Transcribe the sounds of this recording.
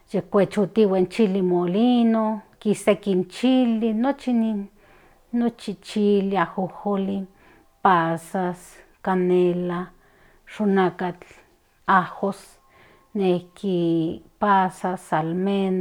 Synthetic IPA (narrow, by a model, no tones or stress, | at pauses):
jekʷet͡ʃut̪iwant͡ʃilimolinokisekint͡ʃilinot͡ʃininː | ot͡ʃit͡ʃiliahoholi | pasaskanela | ʃunakat͡ɬ | ahos | nehkipasasalmen